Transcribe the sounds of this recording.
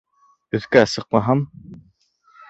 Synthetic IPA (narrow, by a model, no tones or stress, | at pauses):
ɵ̆θkæːsɤ̆q̚mɑɦɑm